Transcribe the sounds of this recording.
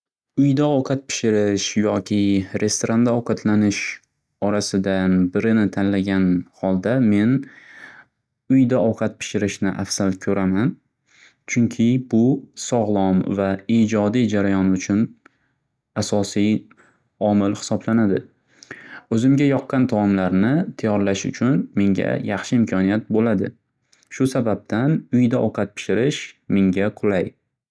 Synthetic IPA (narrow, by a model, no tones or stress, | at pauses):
ʊjd̪aɒwqʰɑt̪̚pʰɪ̥ʃɪɾɪʃjɒkʲʰɪɾʔe̞st̪oɾand̪aɒwqʰɑt̪ʰlanɪʃ | ɒɾasɪd̪anbɪɾɪnɪt̪ʰanlaɡʲanhɒlˠd̪ame̞n | ʊjd̪aɒwqʰɑt̪̚pʰɪ̥ʃɪɾɪʃnɪʔafsalkʲʰɵɾaman | t͡ʃʰʊŋkʲʰɪbʊsɒʁlˠɒmvaid͡ʒɒd̪ijd͡ʒaɾajɒnʊt͡ʃʰʊn | asɒsij | ɒmɪlhɪ̥sɒblanad̪ɪ̰ | ɵzɪmɡʲajɒqːɑnt̪ʰamlaɾnɪt̪ʰajɒɾlaʃʊ̰t͡ʃʰʊnme̞ŋɡʲa̰jɑχʃɪɪmkʲʰɒnijat̪̚bolad̪ɪ̰ | ʃʊsabab̚t̪ʰanʊjd̪aʔɒwqʰɑt̪̚pʰɪ̥ʃɪɾɪʃmeŋɡʲaqʰʊlˠaj